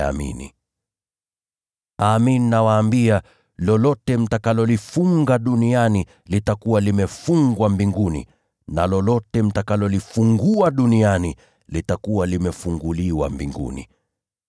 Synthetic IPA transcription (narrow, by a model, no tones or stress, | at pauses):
a̰mḭnḭ | aːmininawaːmbia | lɔlɔtɛm̩takalɔlifuŋɡaɗuniani | litakuwalimɛfuŋɡwambiŋɡunḭ | na̰lɔlɔtɛm̩takalɔlifuŋɡuaɗuniani | litakuwalimɛfuŋɡuliwa̰mbiŋɡṵnḭ